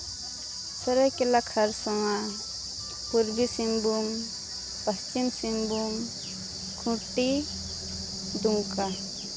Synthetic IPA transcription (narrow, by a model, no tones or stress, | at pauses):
səɾajkelakʰaɾsɔŋa | puɾbisimbum | pəst͡ʃimsimbum | kʰuʈːi | d̪uŋka